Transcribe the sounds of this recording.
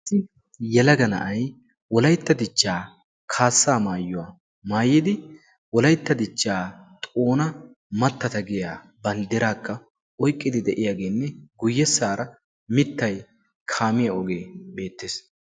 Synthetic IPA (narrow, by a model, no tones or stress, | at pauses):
sɪ | jɛlɐɡɐnɐ̰ʔɐj | wɔlɐjt̪ːɐd̪ɪt͡ʃːaː | kʰaːsːaːmaːjːʊwaː | maːjɪd̪ɪ | wɔlɐjt̪ːɐd̪ɪt͡ʃːaːt̪ʼo̞ːnɐ | mɐt̪ːɐt̪ɐɡɪjaː | bɐnd̪ɪɾaːkːɐ | ɔjkʼːɪd̪ɪd̪ɛʔɪjaːɡe̞ːnːɛɡʊjːɛsːaːɾɐ | mɪt̪ːɐj | kʰaːmɪjɐɔɡeːbe̞ːt̪ːeːs